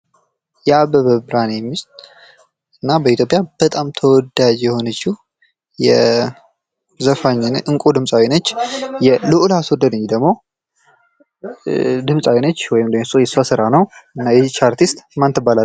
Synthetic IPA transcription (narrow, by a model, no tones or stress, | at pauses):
jɛabəβəbɾanemːist̪ʼ | ɨnːabəit̪ʰjo̞pʼjab̥ət̪ʼamt̪ʰəwɔd̪ːad͡ʒjɛho̞nət͡ʃːi | jɛ | zəfaɲːnʔɨŋkʷʼud̪ɨmsʼawinət͡ʃːjɛlɨʔulaswɔd̪ːəd̪əɲːd̪əɡmo̞ | d̪ɨmsʼawinət͡ʃːwɔjɪmd̪əwjsojɛsasɨɾanəwɨnːajɛzt͡ʃːaɾt̪ʰist̪ʼmant̪ʰɨbːala